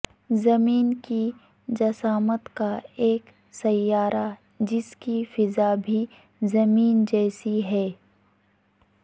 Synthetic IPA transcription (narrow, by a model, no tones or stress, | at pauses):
zɐmiːnki | d͡ʒɐsaːmət̪kaeːk | sɐjːaːɾa | d͡ʒɪskifɪzabʱi | zɐmiːnd͡ʒɛːsiɦɛː